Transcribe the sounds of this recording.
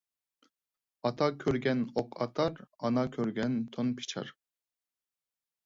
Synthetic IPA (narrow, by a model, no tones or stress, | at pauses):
ɑt̪ʰɑkʲʰøɾɡʲɛnoqʰɑ̰t̪ʰɑɾɑnɑkʲʰøɾɡʲɛnt̪ʰonpʰe̥t͡ʃʰɑ̰ɾ